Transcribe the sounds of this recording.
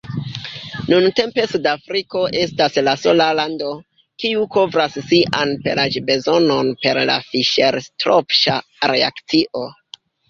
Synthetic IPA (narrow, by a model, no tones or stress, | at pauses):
nunte̞mpe̞sudafɾiko̞ʔe̞staslaso̞lalando̞ | kiuko̞vɾasːiʔanpe̞̰lad͡ʒbe̞zo̞no̞npe̞ɾla̰fiʃe̞ɾstɾopʃa̰ɾe̞a̰kt͡siʔo